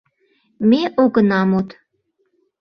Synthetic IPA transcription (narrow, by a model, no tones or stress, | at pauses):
meʔoɣənɑmot̪